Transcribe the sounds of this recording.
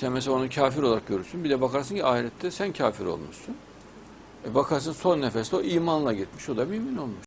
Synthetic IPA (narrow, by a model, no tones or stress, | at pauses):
sɛnmɛs̬aaonucʰaːfiɾoaɾak̚ɟø̞ɾysynbid̪ɛbakaɾs̬ɯncʰiaːiɾʲɛt̪ʰːɛsæncʰaːfiɾo̞̰lˠmṵʃsun | ɛbakʰaɾs̬ɯnso̞nːefɛst̪ɛo̞ʔiːmanlˠaɟit̪miʃo̞d̪amymino̞lˠmuʃ